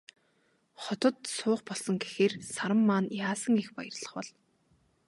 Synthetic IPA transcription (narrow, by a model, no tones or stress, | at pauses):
χɔt̪ə̆t̪sʊːχpɔɮsɞ̆ŋɡexeːrsaɾə̆mːaːnjaːsə̆ŋixpajə̆rɮə̆χpɔɮ